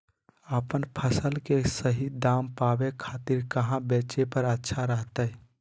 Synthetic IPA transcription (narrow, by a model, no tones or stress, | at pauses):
əpənpʰəsəlkesəɦid̪aːmpaːbekʰaːt̪iɾkəɦãbeːt͡ʃepəɾətːʃʰaɾəɦt̪əɛ